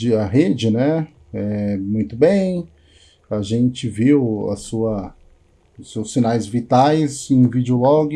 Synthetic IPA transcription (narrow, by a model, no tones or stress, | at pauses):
d͡ʒɪɐɦed͡ʒɪnɛ | ɛmũj̃t̪ʊbẽj̃ | aʒẽnt͡ʃɪviwɐ̰suɐ | ʊsewsːinajzvit̪ajzẽj̃vid͡ʒolɔɡɪ